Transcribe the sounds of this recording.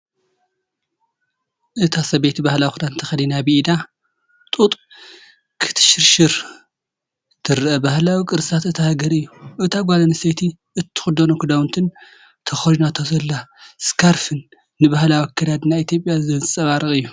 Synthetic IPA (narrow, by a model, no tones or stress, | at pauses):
ʔɨt̪ʰasɐbet̪ʰibahlawikʰud̪ant̪ʰɐxɐlinabiʔd̪a | t̪ʼut̪ʼ | kʰɨ̥t̪ʰɨ̥ʃɪɾʃɨɾ | t̪ʰɨɾɨʔɐbahlawikʼɨɾsʰat̪ɨt̪ʰahaɡɐɾɨjːuʔɨt̪ʰaɡʷalaniset̪ʰi | ʔɨt̪ʰːɨ̥xud̪onokʰud̪awnt̪ʰɨn | t̪ʰɐxɐlunat̪ʰozɐlːaskʰaɾfɨnː | ɨbahlawikʰːɐd̪ad̪nait̪ʰjo̞pʼjazɐnzɨsʼɐβaɾɨkʼɨjːu